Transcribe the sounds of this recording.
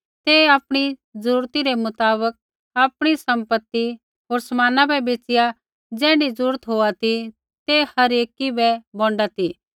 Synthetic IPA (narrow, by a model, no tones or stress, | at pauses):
t̪eaːpɽ̃izəɾuːɾt̪iɾɛmʊt̪aːbək̚ | aːpɽ̃isɐ̃mpət̪ːi | ɦoːɾsɐmaːnabɛbeːt͡ʃɪja | d͡zɛ̃ːɽizɾuːɾət̪ɦoːat̪i | t̪ehɐɾeːkibɛbɔ̃ːɳɖat̪i